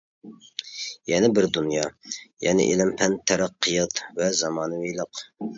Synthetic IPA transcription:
jɛnɪbɪɾd̪unjɑjɛ̰nɪ̰ʔḛlɪmpʰɛnt̪ʰːɛɾæqʰːəjət̪vɛzɑmɑːnɨwejlˠəq

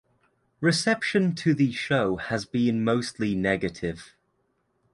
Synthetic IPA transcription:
ɹɪsɛpʃə̃ntʰəðəʃəʊəzbĩnməʊstʰlinɛɡətʰɪv̥

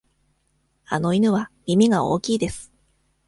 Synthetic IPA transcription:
a̰no̞inɯ̟β̞amʲimʲiɡao̞̰ːkʲiːd̪esɨ̥

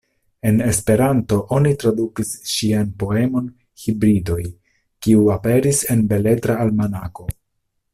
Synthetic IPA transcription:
e̞ne̞spe̞ɾanto̞ʔo̞nitɾadukisʃianpo̞e̞mo̞n | hibɾido̞j | kiuape̞ɾise̞nbe̞le̞tɾaːlmanako̞

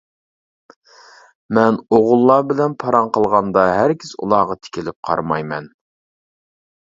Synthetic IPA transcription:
mɛnoʁʊlˠːɑbɪlɛnpʰɑɾɑɴqʰəlˠʁɑnd̪ɑɦæɾkʲʰɪzṵlˠɑːʁɑt̪ʰɪ̥kʲɪlɪp̚qʰɑ̰ɾmɑjmɛn

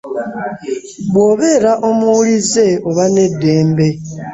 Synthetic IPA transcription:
βwo̞ːβeɾaʔo̞muulize̞oβane̞dːe̞ːmbe̞

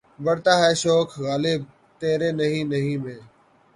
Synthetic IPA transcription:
bəɽt̪aːɦɛːʃoːkʰɣaːleːb̚ | t̪eːɾẽːnəɦĩːnəɦĩːmẽː

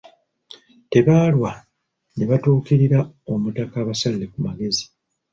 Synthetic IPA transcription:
te̞βaːlwa | ne̞βatuːkiɾiɾao̞mutakaːβasalːekumaɡe̞zi̥

